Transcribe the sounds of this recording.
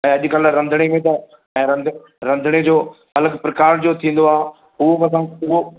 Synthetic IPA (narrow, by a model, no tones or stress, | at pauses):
ɛ̃ːɐʄʊkɐlɾɐ̃nd̪ʱəɽ̃emẽt̪ɐ | ɛ̃ːɾɐ̃nd̪ʱ | ɾɐ̃nd̪ʱəɽ̃ed͡ʑoː | ɦɐləkʰpɾɐkaːɾd͡ʑoːt̪ʰĩːn̆d̪oaː | ɦuokɐsãːʊo